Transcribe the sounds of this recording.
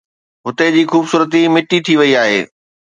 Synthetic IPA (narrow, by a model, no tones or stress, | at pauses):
ɦʊt̪ed͡ʑiːxuːbsuːɾət̪imɪʈit̪ʰiʋɐiaːɦḛː